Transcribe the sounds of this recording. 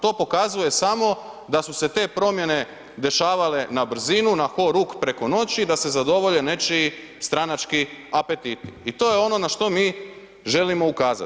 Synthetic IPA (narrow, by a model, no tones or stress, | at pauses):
t̪o̞ːpo̞kazuje̞samo̞d̪asuse̞t̪e̞ːpɾo̞mje̞ne̞ | d̪e̞ʃaːʋale̞nabr̩zinunaxo̞ɾukpɾeko̞no̞t͡ɕid̪ase̞zad̪o̞ʋo̞ʎene̞t͡ʃi | st̪ɾanat͡ʃkiape̞t̪it̪iit̪o̞ːje̞o̞no̞naʃt̪o̞miː | ʒe̞limo̞ukaːza̰